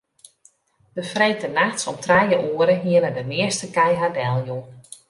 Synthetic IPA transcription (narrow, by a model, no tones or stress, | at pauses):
d̥əfrejtənaxtsɔmtrajəʔuəɾəɦiənədəmɪəstəkɛjɦadɛlˠju